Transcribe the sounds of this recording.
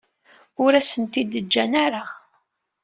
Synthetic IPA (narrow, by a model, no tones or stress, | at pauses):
ʊɾæsənt̪id̪əd͡ʒːænaɾa